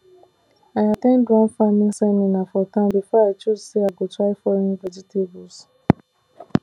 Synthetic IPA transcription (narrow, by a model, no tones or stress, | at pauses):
aɪatẽnɡɹãnfamĩŋsɛmĩnafɔtãmbifɔat͡ʃuzseaɡotɹaɪfɔɾĩnvɛd͡ʒitʰebɔs